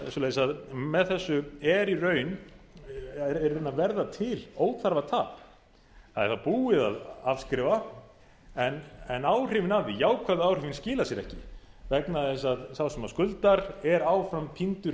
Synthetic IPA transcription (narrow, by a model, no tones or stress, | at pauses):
sɔlejɪsaðmɛðθɛsːʏɛɾirœːɥn | ɛɾrenːavɛɾðat̪ʰɪloːwt̪θaɾvat̪ʰaːp | θaðɛ̰ɾ̥θapuːɪða̰ðavskɾɪːva | ɛnɛnaːwr̥ɪvɪnavðɪjaːwkʰvaðʏaːwr̥ɪvɪnscɪːlasjɛɾɛ̰hcɪ | vɛknaðɪs̬aðsawsɛmaskʏlt̪aɾɛɾaːwfɾampʰint̪ʏɾ